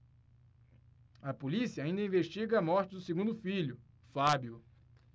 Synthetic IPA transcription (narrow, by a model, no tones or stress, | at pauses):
ɐpolisiɐaĩnd̪ɐĩveʃt͡ʃiɡɐːmɔɾt͡ʃɪd̪ʊseɡũnd̪ʊfiʎʊ | fabjʊ